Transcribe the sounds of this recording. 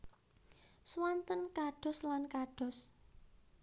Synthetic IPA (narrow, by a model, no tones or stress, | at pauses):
swant̪ənkaɖ̥ɔ̤slankaɖ̥ɔ̤s